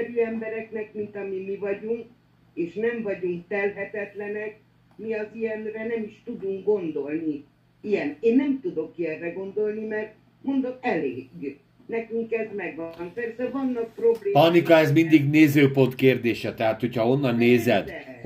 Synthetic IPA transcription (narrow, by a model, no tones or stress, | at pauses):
ɾiɛmbɛɾɛknɛkmint̪ɒmimivɒɟuŋk | eːʃnɛɱvɒɟuŋkt̪ɛlɦɛt̪ɛt̪lɛnɛk̚ | miɒzijɛnrɛnɛmiʃt̪ud̪uŋkɡo̞nd̪o̞lni | ijɛneːnːɛmt̪ud̪o̞kiɛrːɛɡo̞nd̪o̞lnimɛrt̪ | mo̞nd̪okɛlḛːy | nɛkyŋkɛzmɛɡʋɒnɒkpɛrsɛvɒnːɒk̚pro̞bleːpɒnikɒɛzmind̪iɡneːzøːpo̞nt̪keːrd̪eːʃɛt̪ɛɦaːt̪ho̞cʰhɒo̞nːɒnːeːzɛd̪